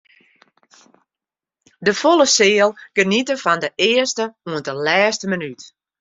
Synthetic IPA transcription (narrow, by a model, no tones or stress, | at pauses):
dəfolˠəsɪːəlˠɡ̥ənitəfɔndəʔɪərstəuəndəlɛːstəmənyt